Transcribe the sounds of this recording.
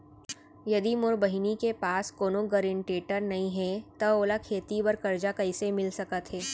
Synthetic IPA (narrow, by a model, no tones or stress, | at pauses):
jɐd̪imʊɾbəɦɪnikepaːskoːnõɡɐɾɪɳʈeːʈəɾnɐɦĩɦɛt̪ɐoːlakʰeːt̪ibɐɾkɐɾd͡ʒakɐɪsemɪlsɐkət̪ɦɛː